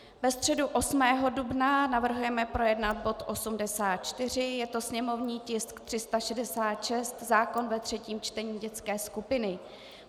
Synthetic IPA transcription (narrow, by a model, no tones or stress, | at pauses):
bɛst̪r̥ɛduʔo̞smɛːɦo̞dubnanavr̩ɦujɛmɛpɾojɛdnat̪̚bo̞t̪ʔo̞sumdɛsaːt̪̚t͡ʃt̪ɪr̝ɪjɛt̪o̞sɲɛmo̞vɲiːcɪskt̪r̥ɪst̪aʃɛdɛsaːt̪ʃɛst̪zaːko̞nvɛt̪r̝̥ɛciːmt͡ʃt̪ɛɲiːɟɛt͡skɛːskupɪnɪ